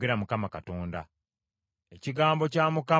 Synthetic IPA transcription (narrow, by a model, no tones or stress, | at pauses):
ɡeɾamukamakatoːnda̰ | eciɡaːmbo̞caːmuka